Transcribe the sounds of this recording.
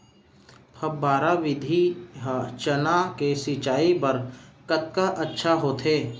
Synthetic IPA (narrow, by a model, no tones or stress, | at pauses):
pʰɐbaːɾaʋɪd̪ʱiɦat͡ʃənakesit͡ʃaːipɐɾkət̪̚kaʔɐtːʃʰaɦoːt̪ʰeː